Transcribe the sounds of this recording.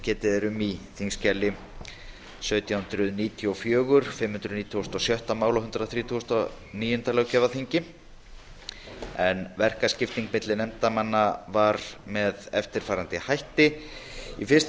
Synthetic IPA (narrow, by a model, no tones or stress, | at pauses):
cɛːt̪ɪðɛɾʏmiθiŋscɛlːɪ | sœːɥt̪ijawhʏnt̪ɾʏðniːt̪ʰiɔfjœːɣʏɾ̥fɪmhʏnt̪ɾʏðniːt̪ʰiɔst̪ɔsjœht̪amaːwlawhʏnt̪ɾaθɾiːt̪ʰuɔst̪ɔ | niːjʏnt̪alɛɣwcɛvaθiɲcɪ | ɛnvɛr̥kascɪft̪niŋkmɪt̪lɪnɛmt̪amanːavaɾmɛðɛft̪ɪɾ̥faːɾant̪ɪhajht̪ɪ | ifɪ̥st̪